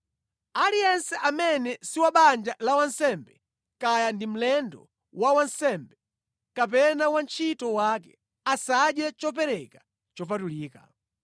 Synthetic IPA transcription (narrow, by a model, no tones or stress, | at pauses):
alijɛnsɛʔamɛnɛsiwaɓand͡ʒalawansɛmbɛ | kajandim̩lɛndɔ̰ | wawansɛmbɛ | kap̬ɛnawant͡ʃʰitɔwakɛ | asaɗjɛt͡ʃɔpɛɾɛka | t͡ʃɔpatuliːka